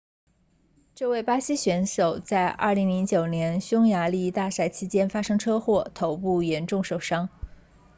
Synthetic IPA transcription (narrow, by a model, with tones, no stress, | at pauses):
ʈ͡ʂɤ˥˧we˥˩ɪpa˥ɕi˥ɕɥɛ˧˥nʂo˨˩ʊt͡sa˥˧ɪʔɐ̰˥˩li˧˥ŋli˧˥ŋt͡ɕjo˨˩ʊnjɛ˧˥nɕjʊ˥ŋja˧˥li˥˧t̪a˥˩sa˥˩ɪt͡ɕʰi˥t͡ɕjɛ˥nfa˥ʂɤ˥ŋʈ͡ʂʰɤ˥xwɔ˥˩t̪ʰo˧˥ʊpu˥˩jɛ˧˥nʈ͡ʂʊ˥˩ŋʂo˨˩ʊʂɑ˥ŋ